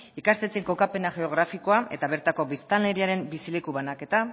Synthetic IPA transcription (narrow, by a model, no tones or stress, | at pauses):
ikast̪et͡seŋko̞kape̞naʝe̞o̞ɣ̞ɾafiko̞aʔe̞t̪aβe̞ɾt̪ako̞βist̪anle̞ɾiaɾe̞mbisile̞kuβanake̞t̪a